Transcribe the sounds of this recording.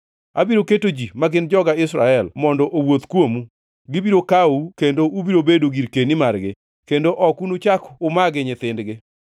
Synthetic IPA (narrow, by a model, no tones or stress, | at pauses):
a̰biɾoketod͡ʒimaɡɪnd͡ʒɔɡaɪsɾaɛlmɔndɔʔowot̪kwomu | ɡɪbiɾokaukendoʔubiɾobedoɡiɾkenɪmarɡɪ | kendoʔɔkunut͡ʃakʊmaɡɪɲɪt̪ɪndɡɪ